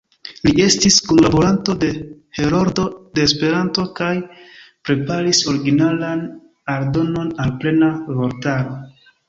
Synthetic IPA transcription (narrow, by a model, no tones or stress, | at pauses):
lie̞stiskonlabo̞ɾanto̞de̞he̞ɾoɾdo̞de̞ːspe̞ɾanto̞kajpɾe̞paɾiso̞ɾiɡinalan | aɾdo̞no̞nalple̞navo̞ɾtaɾo̞